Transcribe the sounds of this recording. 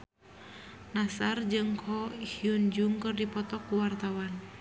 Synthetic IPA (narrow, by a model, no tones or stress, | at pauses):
nasard͡ʒɨŋkʰɔihiund͡ʒuŋkɨrdipɔt̪ɔkːuwart̪awan